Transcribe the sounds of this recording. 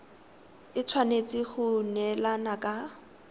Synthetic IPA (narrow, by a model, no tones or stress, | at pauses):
ɪt͡sʰwanet͡sʼɪχʊnɛlanakʼa